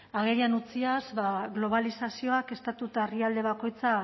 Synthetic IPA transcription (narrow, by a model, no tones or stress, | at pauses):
aɣeɾianut͡siazβaɣlo̞β̞alisasio̞ake̞st̪at̪ut̪aeriald̪e̞β̞ako̞jt͡sa